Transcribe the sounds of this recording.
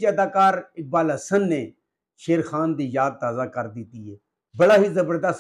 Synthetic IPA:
aːd̪aːkaːɾɪk̚baːlɦəsənːeː | ʃeːɾxaːnd̪iːjaːd̪̚t̪aːzaːkəɾd̪ɪt̪iːɦɛː | bəɽaːɦiːzəbəɾd̪əs

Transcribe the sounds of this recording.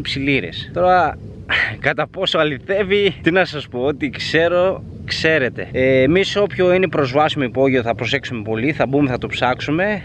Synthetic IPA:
psiliɾḛst̪o̞ɾɐ | kɐt̪ɐpo̞soɐliθe̞vit̪inɐsɐspo̞ot̪ikse̞ɾo̞ | kse̞ɾe̞t̪e̞eːmiso̞pço̞ine̞pɾo̞zvɐsimoipo̞ʝioθɐpɾo̞se̞ksume̞po̞liθɐbume̞θɐt̪opsɐksume̞

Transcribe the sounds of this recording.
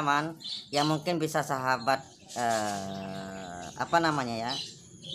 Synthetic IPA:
manjaŋmuŋkɪnbisasaɦabat̪̚ | ə | a̰panamaɲaja

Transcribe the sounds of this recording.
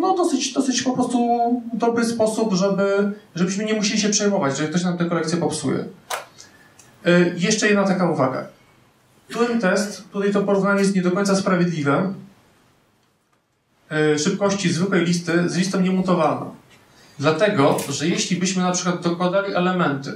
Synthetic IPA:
nɔd̪ɔsɘd͡ʑd̪ɔsɘt͡ɕpɔpɾɔst̪ud̪ɔbɾɘspɔsupʐɛbɘʐɛbɘɕmɘɲɛmuɕelʲiɕɛpʂɛjmɔvat͡ɕʐɛikt̪ɔɕ̬namt̪ɛkɔlɛkt̪sʲjɛpɔpsṵjɛ̰ | jɛʂt͡ʂɛjɛd̪nat̪akauvaɡa̰ | kt̪uɾɛnt̪ɛst̪ːut̪ajt̪̬ɔpɔɾuvnaɲɛjɛst̪ɲɛd̪ɔkɔj̃t̪saspɾavʲjɛd̪lʲivɛm | ʂɘp̚kɔɕt͡ɕizvɘkwɛjlʲis̬t̪ɘzlʲist̪ɔ̃ɲɛmut̪ɔvana̰ | d̪lat̪ɛɡɔʐɛjeɕlʲibɘɕmɘnapʂɘkwad̪d̪ɔkwad̪alʲiʔɛlɛmɛnt̪ɘ̰

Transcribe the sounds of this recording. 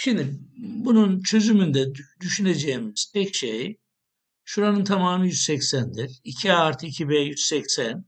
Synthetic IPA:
ʃimd̪ibununt͡ʃʰø̞zymynd̪ɛd̪yʃyned͡ʒeimiz̥t̪ʰɛcʃej | ʃuɾanɯnt̪ʰamaːmɯnɯjyzsɛcsænd̪iɾicʰiaːɾt̪ʰicʰibɛːjyz̥sɛcsæn

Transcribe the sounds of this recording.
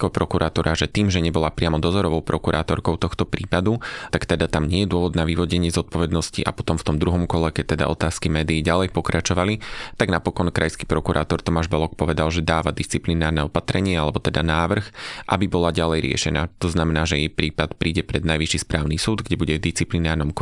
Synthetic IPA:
kɔpɾɔkuɾʔaːt̪ɔɾʔaʒɛt̪iːmʒɛɲɛbɔlapɾɪamɔd̪ɔzɔɾɔʋɔʊpɾɔkuɾa̰ːt̪ɔɾkɔʊt̪ɔxt̪ɔpɾiːpad̪ut̪akt̪ɛd̪at̪amɲɪɛjɛd̪ʊɔʋɔd̪naʋiʋɔɟɛɲɪɛzɔt̪̚pɔʋɛd̪nɔscḭʔa̰pɔ̥t̪ɔmft̪ɔmd̪ɾuɦɔmkɔlɛkɛc̚t̪ːɛd̪a̰ɔt̪aːskimɛːd̪iːɟalɛjpɔkɾat͡ʃɔʋalit̪aɡnapɔkɔnkɾajski̥pɾɔkuɾʔa̰ːt̪ɔɾt̪ɔmaːʒbɔlɔk̚pɔʋɛd̪alʒɛd̪aːʋad̪ist͡siplinaːɾnɛɔpat̪ɾɛɲɪɛalɛbɔt̪ɛd̪anaːʋr̩xʔa̰bibɔlaɟalɛjɾɪɛ̰ʃɛna̰ːt̪ɔznamɛnaːʒɛjɛjpɾiːpat̪pɾiːɟɛpɾɛd̪najʋiʃispɾaːʊnisuːd̪ɡɟɛbuɟɛvd̪ist͡siplinaːɾnɔmk

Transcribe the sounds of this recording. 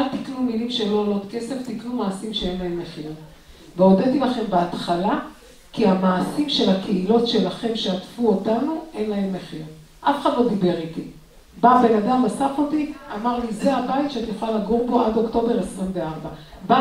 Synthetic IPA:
alt̪iknumilimʃelolo̞tke̞se̞ft̪iknumaːsimʃee̞nlae̞mːe̞χiʁ | veo̞det̪ilaχe̞mbeat̪χala | kiamaːsimʃe̞lhakʰeilo̞tʃe̞laχe̞mʃeatfuotanuʔe̞nlae̞mːe̞χiʁ | ʔafχad̪lo̞d̪ibe̞ʁiti | babe̞nadamasafotiamaʁlizeabaitʃeat̪ijuχalaɡuʁbo̞ʔado̞kto̞be̞ʁesʁimveaʁbaba

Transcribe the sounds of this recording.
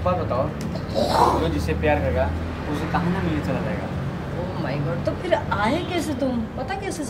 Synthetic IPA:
pabɐt̪aːo | d͡ʒod͡ʒɪsepɾjaːɾkɐɾeɡa | ʊsekɐɦãnamɪlit͡ʃɐlad͡ʒaːeːɡa̰ː | oːmaːɪɡɔːɖt̪opʰɪɾaːɦekɛːset̪ʊmpɐt̪akɛːse

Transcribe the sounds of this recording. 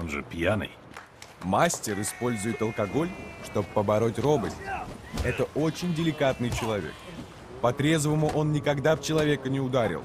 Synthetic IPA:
onʐɨ̰pʲjanɨ̰j | masʲtʲɪɾɪspo̞lʲzʊjɪt̪əlˠkɐɡo̞lʲʂt̪o̞bpːəbɐɾo̞tʲro̞bəsʲtʲɛt̪əʔo̞t͡ɕɪnʲdʲɪlʲɪkat̪nɨjt͡ɕɪlˠɐvʲḛk̚ | pɐt̪ɾʲe̞zvəmʊʔo̞nnʲɪkɐɡd̪aft͡ɕɪlˠɐvʲe̞kənʲɪʊd̪aɾʲɪ̰lˠ

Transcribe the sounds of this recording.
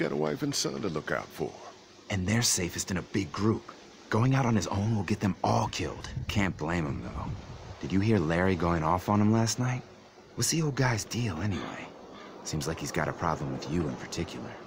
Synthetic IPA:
ɡ̥ɑ̰ɾə̰wa̰ɪfɨ̃nsʌ̰̃ntəlʊka̰ʊtfə̰˞ | ʔɨ̃nðə˞seɪfɨstɨ̃nɨbɪɡɹup | ɡ̥oʊɪ̃ŋaʊɾn̩ɨzõ̰ʊ̃nwəlˠɡɛt̪̚ðɨ̃mɔlˠkʰɪ̰lˠd̥kʰæ̃nb̥lẽɪ̃mə̃mðo̰ʊd̥ɨd͡ʒɨɦiɹlɛɹiɡoʊɪ̃ŋɔfn̩ə̃m̩læstⁿnaɪt̚ | wɨsioʊlˠd̚ɡaɪzdilˠɛnḭwḛɪ | sĩmzlaɪkhizɡɑ̰ɾɨpʰɹ̥ɑ̰blə̃mwɨðjɨɪ̃npʰə̥˞tʰɪkʰjl̩ˠə̰˞

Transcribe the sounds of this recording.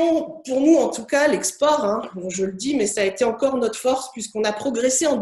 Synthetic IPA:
ɔ̃puʁnuɑ̃t̪ukalɛkspɔʁɛ̃kɔʒələd̪imɛsaːet̪eɑ̃kɔʁnɔt̪χfɔʁspɥiskɔ̃napχɔɡʁeseɑ̃d̪

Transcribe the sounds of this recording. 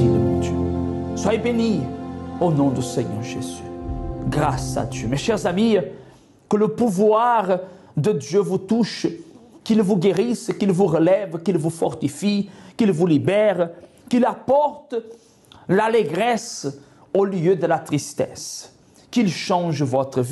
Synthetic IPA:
ĩd̪øswajebenionɔ̃d̪ysɛɲœ̰ʁʒezyɡʁasa̰d̪jømeʃɛʁzami | kələpuvwaʁ | d̪əd̪jøvut̪uʃkilvuɡeʁiskilvuʁəlɛvkilvufɔʁt̪ifikilvulibɛʁ | kilapɔʁt̪ə | laleɡʁɛs | oljød̪əlat̪ʁist̪ɛ̰s | kilʃɑ̃ʒəvɔt̪ʁəvi

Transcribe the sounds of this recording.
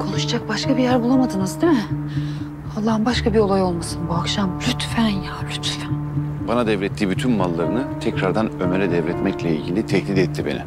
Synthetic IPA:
kʰo̞nuʃad͡ʒak̚baʃkʰabijæɾbulˠamad̪ɯnɯzd̪emɪ | alˠːaːɦɯmbaʃkʰabio̞lˠajo̞lˠmasɯnbuakʃambɾʲyt̪fænjaːblʲyt̪fæn | banad̪ɛvɾɛt̪ʰːiːbyt̪ʰynmalˠːaɾɯnɯt̪ʰɛcɾaɾd̪anø̞meɾɛd̪ɛvɾɛt̪mɛclʲɛḭlʲɟilʲit̪ʰɛhlʲit̪ɛt̪ʰːibḛnḭ

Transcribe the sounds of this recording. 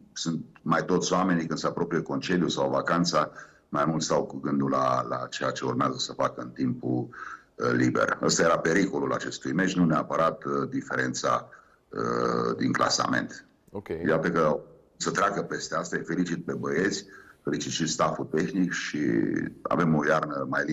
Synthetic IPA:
sunt̪majt̪o̞t̪sʲoame̞nikɨnd̪səapɾo̞pɾijeko̞nt͡ʃelijusawvakant̪sa | majmult̪st̪awkuɡɨnd̪ulala̰t͡ʃe̞jat͡ʃe̞urmeazəsəfakəɨnt̪impu | libe̞̰rə̰st̪aje̞ɾape̞ɾiko̞lula̰t͡ʃe̞st̪ujme̞t͡ʃnuneapəɾat̪d̪ife̞ɾe̞nt̪sa̰ | ə̰d̪iŋklʔa̰sa̰me̞̰nt̪ | ojat̪əkə | sət̪ɾeakəpe̞st̪east̪aefe̞lit͡ʃit̪̚pe̞bəje̞t̪sʲfe̞lit͡ʃit̪ʃit̪st̪afut̪e̞xnikʃḭa̰ve̞mo̞jarnəmajli

